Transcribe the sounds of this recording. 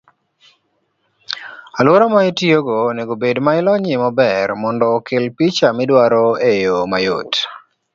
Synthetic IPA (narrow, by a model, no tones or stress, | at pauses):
alwoɾɔmaɪtioɡoneɡobedmaɪlɔɲɪmɔbɛrmɔndɔkɪlpit͡ʃamɪdwaɾoejomajo̰t